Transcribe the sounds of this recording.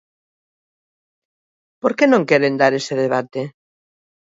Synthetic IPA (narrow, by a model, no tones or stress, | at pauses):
poɾkenõŋkeɾend̪aɾeseðeβ̞at̪e